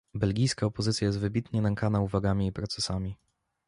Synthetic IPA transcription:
bɛlɡʲijskaɔpɔzɘt̪sʲjajɛst̪vɘbʲit̪ɲɛlɛŋkanauvaɡamʲiːpɾɔt̪sɛsamʲi

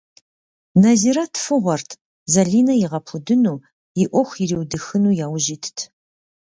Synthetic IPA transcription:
nɐziɾɐtʰfɨʁʷɔrtʰ | zɐɮiːnɐjɪʁɐpʰʊdɨnuː | jɪʔʷɔxʷjɪɾiːwdɨxɨnuːjaːwʒiːtʰtʰ

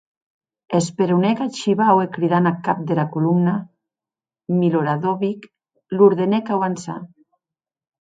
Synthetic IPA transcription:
espeɾunɛkat͡ʃiβawekɾiðanakap̚d̪elakulumna | miloɾaðoβik | luɾðenɛkawansa̰

